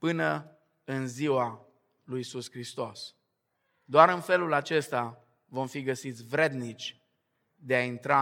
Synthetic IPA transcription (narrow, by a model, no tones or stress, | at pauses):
pɨnə | ɨnziwa | lujisuskɾist̪o̞s | d̪oaɾɨnfe̞lulat͡ʃe̞st̪a | vo̞mfiɡəsit̪sʲvɾe̞d̪nit͡ʃʲ | d̪e̞aint̪ɾa